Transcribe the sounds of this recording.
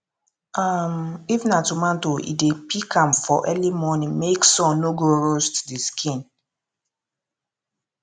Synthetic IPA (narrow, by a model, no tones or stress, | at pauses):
am̩ivnatumantoʔḭdepikamfɔ̰ʔɛlimɔnɪ̃meksɔ̃noɡoɾostdiskʰĩn